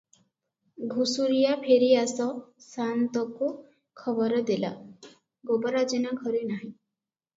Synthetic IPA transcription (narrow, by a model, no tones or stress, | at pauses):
ɡʱusuɾijapʰeɾiasɔsant̪ɔku | kʰɔbɔɾɔd̪ila̰ | ɡobɔɾad͡ʒinaɡʱɔɾinaɦĩ